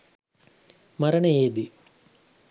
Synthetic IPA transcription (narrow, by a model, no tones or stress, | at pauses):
mɐɾɐɳɐeːd̪i